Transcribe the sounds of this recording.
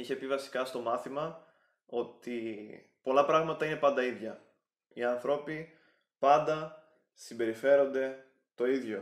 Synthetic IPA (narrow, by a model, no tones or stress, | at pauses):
içe̞pivɐsi̥kɐst̪o̞mɐθimɐ | o̞t̪i | po̞lɐpɾɐɣmɐt̪ɐine̞pɐnd̪ɐiðʝɐ | iɐnθɾo̞pi | pɐnd̪ɐ | simbe̞ɾife̞ɾo̞nd̪e̞ | t̪o̞iðʝo̞